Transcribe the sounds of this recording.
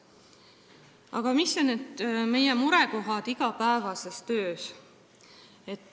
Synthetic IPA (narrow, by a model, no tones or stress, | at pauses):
ɑ̰ɡ̥ɑmisonet̪me̞jemuɾeko̞ɦɑd̪̥iɡ̥ɑpæevɑse̞st̪ø̞ːs | e̞t̪ːˑ